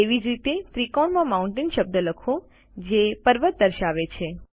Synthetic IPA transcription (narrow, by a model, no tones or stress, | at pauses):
eʋid͡ʒɾit̪et̪ɾikɔɳmãmaũɳʈɪnʃəb̚d̪ələkʰõ | d͡ʒepəɾʋət̪̚d̪əɾʃaʋet͡ʃʰe